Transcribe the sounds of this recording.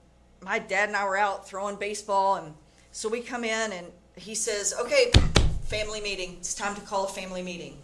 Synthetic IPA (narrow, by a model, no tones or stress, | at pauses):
maɪdæɾɨ̃naɪwə˞aʊt̪̚θɹoʊɪ̃ŋbeɪsb̥ɔlˠə̃n | soʊwikʰʌ̃mɪ̃nɨ̃n | isɛzoʊkʰeɪfæ̃mlimiɾɪ̃ŋɪtstʰãɪ̃mtʰɨkʰɔlˠəfæ̃mlimiɾɪ̰̃ŋ